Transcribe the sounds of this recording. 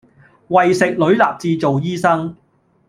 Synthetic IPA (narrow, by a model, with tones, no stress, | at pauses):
wɐ˨jsɪ˨k̚lɵ˨˥ɥlaː˨p̚t͡siː˧t͡so˨wjiː˥sɐ˥ŋ